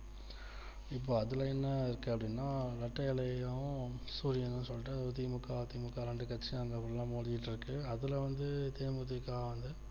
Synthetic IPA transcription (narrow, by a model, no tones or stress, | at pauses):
ɪp̬ːoːɐðɯlɐɛnːɐɪɾɯkːɯɐpːɽinːaːlɐʈːɐɪlɐjʊ̃suːɾɪjɐnɯnːɯsɔlːɪʈ̬ːɯɐt̪̬iːmɯkːaːt̪iːmʊkːaːɾɛɳɖɯkɐt͡ʃːiaɐŋɡɐɐpːɐɽɪlãːmoːðɪjɪʈːɪɾɯkːɯɐðɯlɐʋɐnd̪ɯt̪eːmut̪ɪkːaːʋɐnd̪ɯ